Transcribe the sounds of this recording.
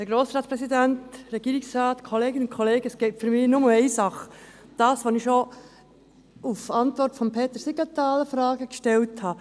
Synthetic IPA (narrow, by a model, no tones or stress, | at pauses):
d̥əɡɾoːsɾɑːtspɾɛsidæntɾɛɡ̥iːɾiksɾɑːt̪kʰoleːɡənʊnkʰɔleːɡəəsɡ̥ɛɪtfʏɾmɪːnʊməɛɪsɑχə | d̥ɑːsʋonɪʃo | ufɑntʋɔrtfɔmpʰeːt̪əɾsiɡat̪ɑːləfɾɑːɡəkʃtɛlthɑ